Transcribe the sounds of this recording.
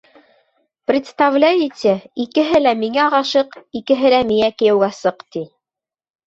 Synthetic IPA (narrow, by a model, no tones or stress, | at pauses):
prʲɪt̪st̪avlʲæjit̪ʲɘikɘ̆ɦɘlæmiŋæʁɑʃɤqikɘ̆ɦɘ̆læmiækɘ̆jɘ̆wɡæsɤqt̪i